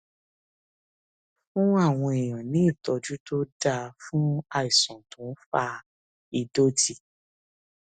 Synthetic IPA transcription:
fũ˦a˦˨w̃ɔ̃˧e˨j̃ɔ̃˨nĩ˨˦i˦˨tɔ˧d͡ʒu˦to˦da˧fũ˦a˧i˨sɔ̃˨tũ˨˦fa˧ | i˧do˦d͡ʒi˦˨

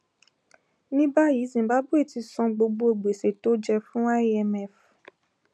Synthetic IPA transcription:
nĩ˦ba˦ji˨˦zĩ˨ba˨˦bu˦e˦˨ti˧sɔ̃˧ɡ͡bo˧ɡ͡bo˧˦e˨ɡ͡be˨se˨to˨˦d͡ʒɛ˧fũ˦a˦ɛ˧mɛ˦˨f

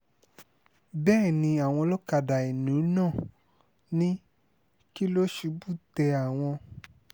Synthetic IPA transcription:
bɛː˦˨nĩ˧a˨w̃ɔ̃˧lo˦ka˧˨da˨e˨nũ˨˦nãː˦˨ | nĩ˦ | ki˦lo˦ʃu˧˦bu˦˨tɛ˧a˨w̃ɔ̃˧

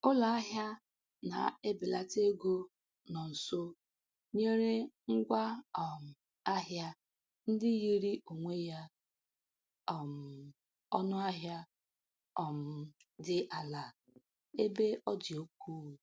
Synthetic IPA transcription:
ʊ˦la˨a˦ɦja˦ | na̰˨e˦bɪ˨la˦te˦ɡo˦ | nɔ˨n̩˨so˦ | ɲe˦ɾe˦ŋ̩˦ɡʷa˦˨m̩˨ | a˦ɦja˦ | n̩˦dɪ˦ji˦ɾi˦ʔo˨ŋʷe˦ja˦˨ | m̩˨ | ɔ˦nʊ˦a˦ɦja˦ | ɔ˨m̩˦˨dɪ˦ʔa˨la˨ | e˦be˦ʔɔ˦dɪ˨o˦k̚ʷuː˦˨

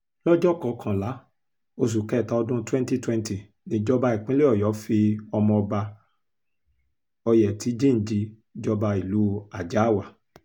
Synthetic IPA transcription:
lɔ˦d͡ʒɔ˦˨kɔ˨kʰã˨la˨˦ | o˧s̬u˨kɛ˦˨ta˧˦ɔ˧dũ˦twɛ̃˦nti˦twɛ̃˦nti˨ | nĩ˧d͡ʒɔ˦ba˧i˨k͡pĩ˦le˦ɔ˦˨jɔ˨˦fi˧ɔ˧mɔ̃˧ɔ˧ba˧ | ɔ˧jɛ˨ti˨˦d͡ʒĩ˦˨n̩˨d͡ʒi˧ | d͡ʒɔ˦ba˧i˨lu˨˦a˨d͡ʒa˨˦˨wa˨

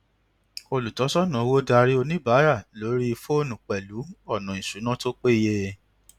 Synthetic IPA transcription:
o˧lu˨tɔ˨˦sɔ˦˨nã˨˧wo˦da˧ɾi˦o˧nĩ˦ba˨˦ɾa˦˨lo˨˦ɾi˦i˧fo˦˨nũ˨k͡pɛ˨lu˨˦ɔ˦˨nã˨ĩ˨su˨˦nã˦to˦k͡pe˦˧je˧

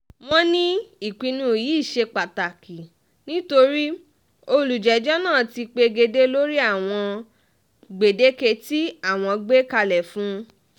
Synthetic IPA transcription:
w̃ɔ̃˦nĩ˦i˨k͡pi˨˧nũ˦jiː˨˦˨ʃe˧k͡pa˨ta˨ki˨ | nĩ˦to˧ɾi˦ | o˧lu˨d͡ʒɛ˨d͡ʒɔ˦nãː˦˨ti˧k͡pe˧ɡe˧de˦lo˦ɾi˦a˦˨w̃ɔ̃˧ | ɡ͡be˨de˦ke˧ti˦a˦˨w̃ɔ̃˧ɡ͡be˦ka˧lɛ˨fũ˦

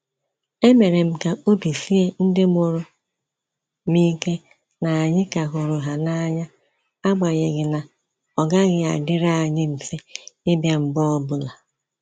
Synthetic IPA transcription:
e˦me˨ɾe˨m̩˨ka˨ʔo˦bi˨si˦e˦n̩˦dɪ˦m˦o˦ɾʊ˨ | ni˦ke˦ | na˨a˨ɲɪ˦ka˨ɦʊ˨ɾʊ˨ɦa˨na˦ɲa˦ | a˦ɡ͡ba˨ɲe˨ɡɪ˨na˨ | ɔ˨ɡa˦ɣɪ˦a̰˨dɪ˦ɾa˦a˨ɲɪ˦m̩˨fe˦ɪ˦bja˦m̩˨bɔ˦ɔ˦bʊ˦la˨

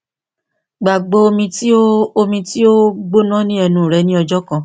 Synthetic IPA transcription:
ɡ͡ba˨ɡ͡bo˧o˧mĩ˧ti˦o˦o˧mĩ˧ti˦o˦ɡ͡bo˦nã˦nĩ˦ɛ˧nũ˦˨ɾɛ˨˧˦nĩ˦ɔ˧d͡ʒɔ˦kã˧

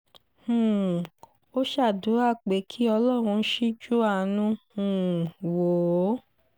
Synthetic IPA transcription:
hũ˨ | o˦ʃa˦˨du˨˦a˦˨k͡pe˨˦kʰi˦ɔ˧lɔ˦˨ɾ̃ũ˧˦ʃi˦d͡ʒu˦a˦˨nũ˦hũ˨wo˨˦

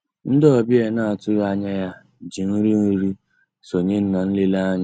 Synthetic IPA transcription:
n̩˦dɔ˦˨bi˦e˨na˦˨a˨tʊ˦a˦ɲa˦ja˦ | d͡ʒi˨n̩˦ɾi˦ni˦ɾi˦ | so˨ɲe˦n̩˦na˨n̩˦le˦la˦ɲ˦

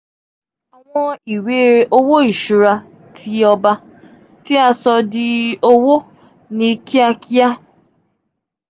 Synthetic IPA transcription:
a˨w̃ɔ̃˧i˨we˦o˦wo˦i˨ʃu˨ɾa˧ | tʰi˧ɔ˧ba˧ | ti˦a˧sɔ˧dɪ˦o˦wo˦ | ni˧ki˦a˧kʰi˦a˦

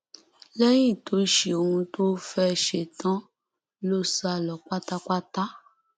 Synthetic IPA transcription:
lɛ˦j̃ĩ˦˨tʰo˨˦ʃe˨o˧˨hũ˧to˦fɛ˦˧˨ʃe˧˨tã˨˦ | lo˦sa˧˨lɔ˨k͡pa˦ta˦ka˦ta˦

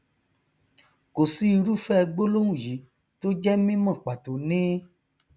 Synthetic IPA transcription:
ko˨si˨˦i˧ɾu˦fɛ˦˧ɡ͡bo˦lo˦ũ˦˨ji˨˦ | to˦d͡ʒɛ˦mĩ˦mã˦˨k͡pa˨to˨nĩ˦

